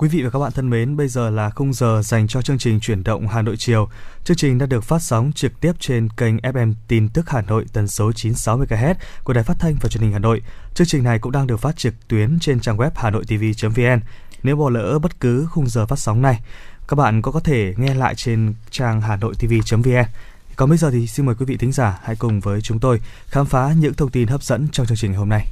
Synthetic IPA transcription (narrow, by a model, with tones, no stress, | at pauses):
kwi˨˦vḭ˧˨va˨˩kaː˦˥ɓa̰ː˧˨˧t̪ʰə˧nme˨˦nɓə˧jzəː˨˩laː˨˩xə˧wŋ͡mzəː˨˩za˨˩jŋ̟t͡ɕɔ˧t͡ɕɨ˧əŋt͡ɕï˨˩ŋ̟t͡ɕwi˧˩ənɗə̰˧˨wŋ͡mhaː˨˩no̰˧˨jt͡ɕi˨˩əwt͡ɕɨ˧əŋt͡ɕï˨˩ŋ̟ɗaː˧˥ɗɨ˨˩ək̚faː˦˥t̚sa˨˦wŋ͡mt͡ɕɨ˨˩k̚t̪i˦˥əp̚t͡ɕe˧nkə˧jŋ̟ʔɛ˦˥p̚ʔɛ˧mt̪i˧nt̪ɨ˦˥k̚haː˨˩no̰˧˨jt̪ə˨˩nso˨˦t͡ɕi˨˦nsa˨˦wmɨ˧əjkaː˧ɦɛ˦˥t̚ku˩əɗaː˨˩jfa˦˥t̚t̪ʰa˧ŋ̟vaː˨˩t͡ɕwnhi̟˨˩haː˨˩no̰˧˨jt͡ɕɨ˧əŋt͡ɕï˨˩ŋ̟na˨˩jkʊ̰˧˥ŋ͡mɗaː˧ŋɗɨ˨˩ək̚faː˦˥t̚t͡ɕɨ˨˩k̚t̪wi˨˦ənt͡ɕe˧nt͡ɕaː˧ŋwɛ˦˥p̚haː˨˩no̰˧˨jt̪i˧vi˧t͡ɕə˨˦mvi˧ʔɛ˧n | ne˨˦wɓɔ˧˩lə̰ː˧˥ɓə˦˥t̚kɨ˨˦xʊ˧ŋ͡mzəː˨˩faː˦˥t̚sa˨˦wŋ͡mna˧jka˦˥k̚ɓa̰ː˧˨nkɔ˨˦kɔ˨˦t̪ʰe˧˩ŋɛ˧la̰ː˧˨jt͡ɕe˧nt͡ɕaː˧ŋɦaː˨˩no̰˧˨jt̪i˧vi˧t͡ɕə˨˦mvi˧ʔɛ˧n | kɔ˨˩nɓə˧jzəː˨˩t̪ʰi˨˩si˧nməː˨˩jkwi˨˦vḭ˧˨t̪ʰï˨˦ŋ̟zaː˧˩ha̰˧˥jkʊ˨˩ŋ͡mvəː˨˦jt͡ɕʊ˨˦ŋ͡mt̪o˧j | xaː˨˦mfaː˨˦ɲɨ̰˧˥ŋt̪ʰə˧wŋ͡mt̪i˧nɦəː˦˥p̚zə̰˧˥nt͡ɕɔ˧ŋ͡mt͡ɕɨ˧ŋt͡ɕï˨˩ŋa˨˩ho˧mna˧j